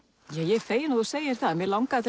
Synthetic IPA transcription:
jɛjɛɣθeːjɪnaðuseːjɪɾ̥θaðɛmvɪlawŋkaθɪ

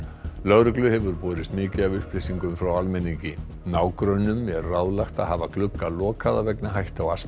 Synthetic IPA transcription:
lœɣɾʏklʏhɛvʏɾpɔːɾɪst̪mɪːcɪavʏhplɪsiŋkʏmfɾawalmɛniɲcɪ | naːwkɾœnːʏmːjɛɾrawðlaxt̪aðhaːvaklʏkːalɔːkʰaðavɛknaɦajht̪awas

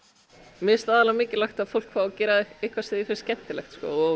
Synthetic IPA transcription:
mjɛst̪aːðalamɪːcɪlaxt̪aðfowl̥kʰfaːɔcɛːɾaðejhkvḁsɪːðɪfɪɾscɛn̥t̪ɪlɛ̰xt̪skɔ̰ɔɣ

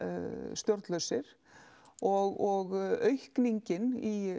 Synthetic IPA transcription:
st̪jɔɾt̪lœɥsɪɾ̥ | ɔɣɔɣœɥhkniɲcɪni

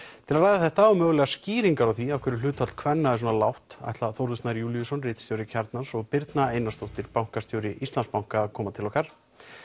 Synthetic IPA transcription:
t̪ʰɪlaðɾajðaθɛht̪amœːɣʏlɛɣasciːɾiŋkaɾawθviawkʰɛɾɪlʏːt̪ʰalt̪̚kʰvɛnːaɛs̬ɔːnalawht̪a̰jht̪laθowɾðʏst̪aɾjuːljusɔnrɪːt̪st̪jowɾɪcʰɛɾt̪nansɔɣpɪɾt̪naejnast̪owht̪ɪɾpawŋ̥kast̪jowɾɪʔist̪anspawŋkaːðkʰɔːmat̪ʰɪlɔːhkaɾ̥

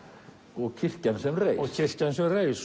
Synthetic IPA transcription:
ɔɣcʰɪr̥cansɛmrejsçʰɪr̥cansɛmrejs

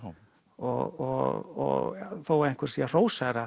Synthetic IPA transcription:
ɔɔɔ̰θowaejŋ̥kʏɾ̥siar̥oːwsaɾa

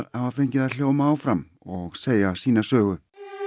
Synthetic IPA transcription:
ɾavafejɲcɪðal̥joːwmaːwfɾam | ɔɣseːjasiːnasœːɣʏ

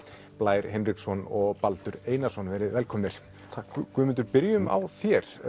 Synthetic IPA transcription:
plaːjɾɦɛnriksɔnɔɣpalt̪ʏɾeːjnasɔnvɛːɾɪðvɛlkʰɔmnɪɾ̥ʰ | akvʏmɪnt̪ʏɾpɪɾjʏma̰wθjɛɾ̥

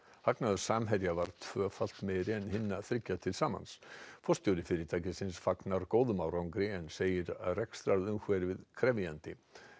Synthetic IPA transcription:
haknaðʏ̥saːmɦɛɾjavaɾt̪ʰv̥œːfal̥t̪mɛðɾɪɛnhɪnːaθɾɪcːat̪ʰɪlsaːma̰nsfɔst̪jowɾɪfɪɾɪɾt̪ʰaːjcɪsɪnsfaknaɾkoːwðʏmaːwɾawŋkɾɪɛnseːjɪɾa̰ðrɛkst̪ɾaɾðʏmxvɛːɾɪvɪðkʰɾɛvjant̪ɪ

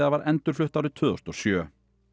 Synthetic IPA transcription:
ðavaɾʔɛnt̪ʏɾ̥flʏht̪awɾɪt̪ʰvʏːðɔ̰st̪ɔsjœː

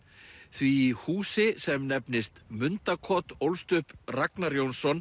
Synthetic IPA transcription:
θviːhuːsɪsɛmnɛpnɪst̪mʏnt̪akʰɔt̪owlst̪ʏhpraknaɾjownsɔn

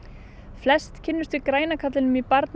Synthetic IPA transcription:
flɛst̪cʰɪnːʏst̪vɪkɾaːjnakʰat̪lɪnʏmipaɾt̪n

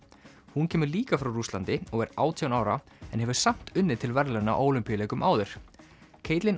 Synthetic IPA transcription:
huncʰɛːmʏɾliːkafɾawrust̪lant̪ɪɔɣɛɾaːwt̪ʰiawnaːwɾa | ɛ̰nhɛvʏ̥sam̥t̪ʏnːɪt̪ʰɪlvɛɾlaɾna̰ʔoːwlʏmpijaleːjkʏmʔaːwðɪɾ̥ | kʰeːjt̪lɪn

